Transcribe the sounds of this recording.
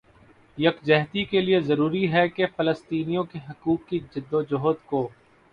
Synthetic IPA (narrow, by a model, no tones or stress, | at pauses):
jɐkd͡ʒɛɦt̪ikeliezɐɾuːɾiɦɛkefɐləst̪iːnijõkeɦɐkuːkːid͡ʒɪd̪ːod͡ʒoɦt̪koː